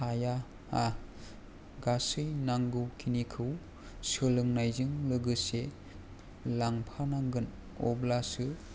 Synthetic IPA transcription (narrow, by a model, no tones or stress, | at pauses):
aja | a | ɡasɯjnaŋɡɯkʰinikʰɯw | sɯlɯŋnajzɯŋlɯɡɯse | laŋpʰanaŋɡɯn | ɔblasɯ